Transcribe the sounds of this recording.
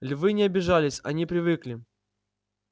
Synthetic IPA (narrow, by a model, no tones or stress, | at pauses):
lʲvɨnʲɪɐbʲɪʐalʲɪsʲɐ̰nʲipɾʲɪvɨklʲɪ